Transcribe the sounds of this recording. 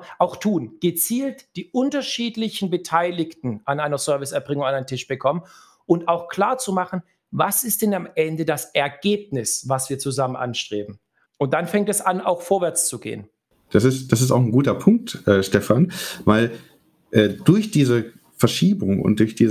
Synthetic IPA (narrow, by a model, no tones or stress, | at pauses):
ʔaʊxtʰuːnɡ̥ət͡siːltd̥iːʔʊntɐʃiːtlɪçn̩bətʰaɪlɪktn̩ʔanaɪnɐzœɐvɪsɛɐbʁɪŋʊŋanaɪəntʰɪʃb̥əkʰɔmən | ʔʊntaʊxkl̥aːɐt͡sumaχn̩ | vasɪst̚d̥ɛnamʔɛndədasɛɐɡeːp̚nɪsvasv̥iːɐt͡suzamənʔa̰nʃtʁ̥eːbm̩ | ʔʊnt̚d̥anfɛŋtɛsanaʊxfoːɐvɛɐt͡st͡suɡḛːən | d̥asɪstd̥asɪstaʊxn̩ɡuːtɐpʰʊŋk̚tʔɛːʃtɛfanvaɪl | ʔɛːd̥ʊɐçd̥iːzə | fɛɐʃiːbʊŋʊ̰nt̚d̥ʊɐçd̥iː